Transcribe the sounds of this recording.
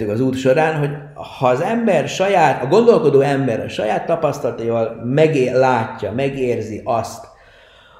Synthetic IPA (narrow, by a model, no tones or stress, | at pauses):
ykɒzuːt̪ʃo̞ɾaːnɦo̞ɟ | hɒːzɛmbɛrʃɒjaːt̪ɒɡo̞nd̪o̞lko̞d̪oːɛmbɛɾɒ̰ʃɒ̰jaːt̪ːɒpɒst̪ɒlɒt̪oivɒlmɛɡelaːcːɒmɛɡeːrziʔɒst̪